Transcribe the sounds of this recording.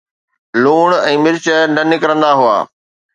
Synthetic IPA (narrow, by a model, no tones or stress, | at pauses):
luːɳ̃ɛ̃ːmɪɾt͡ɕənɐnɪkɾə̃nd̪aɦua̰ː